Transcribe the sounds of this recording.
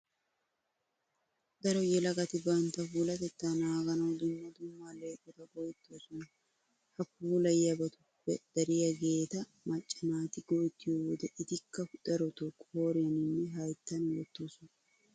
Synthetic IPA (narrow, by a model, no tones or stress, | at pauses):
d̪ɐɾɔjɛlɐɡʼɐt̪ɪbɐnt̪ɐfuːlɐt̪ɛt̪ːanaːɡɐnɐwd̪ʊmːɐd̪ʊmːale̞ːkʼːɔt̪ɐɡɔjt̪ːoːsɔnɐ | hɐfuːlɐjjɐbɐt̪ʊpːɛ̰d̪̥ɐɾɪjɐɡe̞ːt̪ɐ | mɐt͡ʃʼːɪnaːt̪ɪɡɔjt̪ːɪjowɔd̪ɛʔɪt̪ɪkːɐʊt̪ʼɐɾɔt̪ɔkʼːho̞ːɾɪjɐnɪnːɛɦɐjt̪ːɐnwɔt̪ːoːsɔn